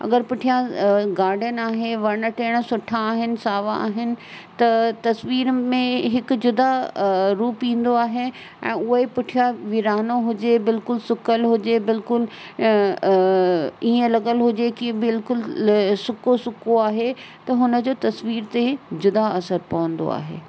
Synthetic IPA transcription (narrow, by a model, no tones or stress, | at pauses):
ɐ̰ɡəɾpʊʈʰijãɡaːɾɖjənaːɦeʋɐɽ̃əʈeːɽ̃̆sʊʈʰãːɦɪnɪ̆saːʋãa̰ːɦɪnɪ̆ | t̪ɐt̪ɐsʋiːɾmẽɦɪkʊ̆d͡ʑʊd̪aɾuːpĩːn̆d̪oaːɦe | ɛ̰̃ːʊɦepɪʈʰijãʋiɾaːnoɦʊd͡ʑebɪlkʊlsʊkəlɦʊd͡ʑebɪlkʊl | iːə̃lɐɠəlɦʊd͡ʑekĩbɪlkʊlsʊkosʊkoaːɦet̪ɐɦʊnə̆d͡ʑoːt̪ɐsʋiːɾt̪ed͡ʑʊd̪aɐsəɾpɐʋə̃nd̪o̰a̰ːɦḛː